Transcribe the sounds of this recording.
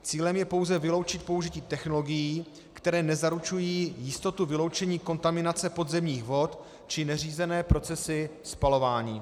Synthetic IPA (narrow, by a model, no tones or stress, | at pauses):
t͡siːlɛmjɛpo̞wzɛvɪlo̞wt͡ʃɪt̪̚po̞uʒɪciːt̪ɛxno̞lo̞ɡɪjiː | kt̪ɛɾɛːnɛzaɾut͡ʃujiːjɪst̪o̞t̪uvɪlo̞wt͡ʃɛɲiːko̞nt̪amɪnat͡sɛpo̞d̪zɛmɲiːxvo̞t̪ | t͡ʃɪnɛr̝iːzɛnɛːpɾo̞t͡sɛsɪspalo̞vaːɲiː